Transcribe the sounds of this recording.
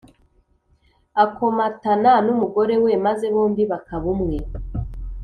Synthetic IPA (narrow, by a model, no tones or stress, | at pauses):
ako̞matananumuɡo̞ɾe̞we̞maze̞βoːmbiβakaβumŋe̞